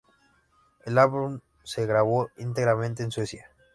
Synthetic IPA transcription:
elaβum | se̞ɣɾaβoint̪eɣɾamẽnt̪eːnswe̞sja

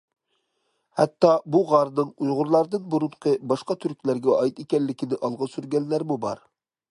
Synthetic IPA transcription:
hɛt̪ːɑbuʁɑɾnɨŋujʁʊɾlˠɑɾd̪ɨnbuɾuɴqʰəbɑʃqɑt̪ʰyɾkʲlæɾɡʲɛɑjt̪ekʲɛlːɪkʲinɪʔɑlˠʁɑsyɾɡʲɛnːæɾmubɑ̰ɾ

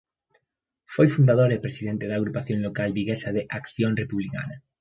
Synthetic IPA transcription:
fojfund̪aðoɾepɾesiðent̪eð̞aːɣɾupaθjonlokalβiɣesað̞eʔakθjõnrepuβlika̰na

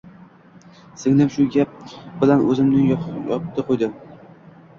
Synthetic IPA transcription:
sɪŋnɪmʃʊɡʲap̚bɪlanɵzɪmnɪŋjjɒpt̪ʰɨqʰojd̪ɪ

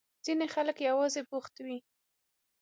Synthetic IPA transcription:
z̥inexaləkjawɑzebuxt̪awi

